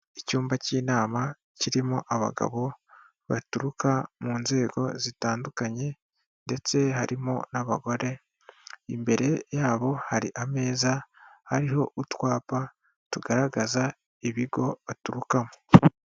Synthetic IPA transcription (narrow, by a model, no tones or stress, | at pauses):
icuːmbaciːnaːma | ciɾimuʔaβa̰ɡa̰βo̞ | βa̰tuɾukamuːnze̞ːɡo̞̰zitaːndukaɲe̞ | nde̞t͡se̞haɾimo̰naβa̰ɡo̞ɾe̞ | imbe̞ɾe̞jaːβo̞haɾḭʔame̞ːzahaɾiho̞̰ʔutwaːpa | tuɡaɾaɡaza | iβiɡo̞βatuɾukamo